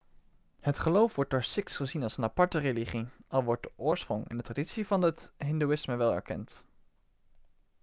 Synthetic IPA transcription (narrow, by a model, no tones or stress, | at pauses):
hətχəlowfʋɔɹt̚doːɹsɪksχəzinɑlˠsənapɑɹtəreliχiɑlˠʋɔɹt̚dəʔʊːɹsprʊŋɛ̰ndətraditsivɑnətɦɪnduɪsməʋɛlˠɛ̰ɹkɛ̰nt